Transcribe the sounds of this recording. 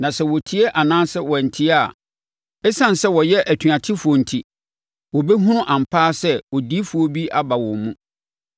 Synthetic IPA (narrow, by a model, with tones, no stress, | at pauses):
nã˨sɛ˦wɔ˨tʰi˦e˦ʔa˨nãː˦sɛ˦wɔ̃˨n̩˨tʰi˦a˨ | ɛ˦sã˦n˨sɛ˦wɔ˨jɛ˦ʔæ˨tʰɥa˨tʰɪ˦fʊ˨ɔ˨n̩˨tʰi˨ | wɔ˨be˦ɦũ˦nʊ̃˦ʔã˨m̩˨pʰaː˦sɛ˦wɔ˨di˦fʊ˨o˦bi˦ʔa˦ba˨wɔ̃˨mũ˦